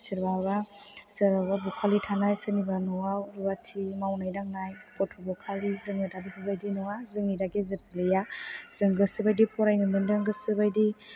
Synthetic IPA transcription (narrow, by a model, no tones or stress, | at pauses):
siɾbaβasɯɾababɔkʰalitʰanajsɯnibanɔwawɾubatʰimawnajdaŋnajpʰɔtʰubɔkʰalizɯŋɯdabipʰɯbajdinɔwazɯŋidaɡezɯɾzilɯjaz̥ɯŋɡɯsɯbajdipʰɔɾajnɯmɯndɯŋɡɯsɯbajdi